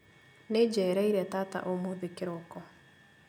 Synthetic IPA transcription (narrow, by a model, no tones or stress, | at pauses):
ned͡ʒɛɾɛiɾɛtata̰ʔomoðekeɾokɔ